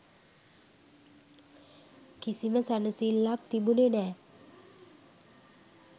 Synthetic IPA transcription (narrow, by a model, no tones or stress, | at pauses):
kisiməsanəsilːak̚t̪ibunenɛː